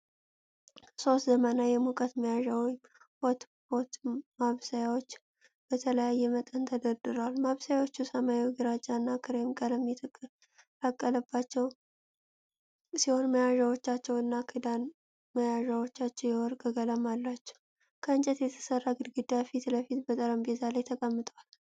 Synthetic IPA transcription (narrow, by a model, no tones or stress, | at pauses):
so̞st̪zəmanajɛmukʼət̪məjaʒawj | wot̪ | bot̪maβsajawot͡ʃː | b̥ət̪ʰələjajːɛmət̪ʼənt̪ʰəd̪əd̪ɨɾalmaβsajawo̞t͡ʃːusəmajawɡɨɾat͡ʃʼːanːakʰɨɾemkʼələmjɛt̪ʰʼ | t̪akʼːələbːat͡ʃːɛw | siho̞nməjaʒawot͡ʃːat͡ʃːɛwɨnːakʰid̪an | məjaʒawo̞t͡ʃːat͡ʃːɛwjɛwɔɾkʼəɡələmalːat͡ʃːɛ̥w | kʰəɨnt͡ʃʼət̪jɛt̪ʰə̥sərːaɡɨd̪ɡɨd̪afit̪ləfit̪bət̪ʼəɾəmbezʰalajt̪ʰəkʼəmːɨt̪ʼwal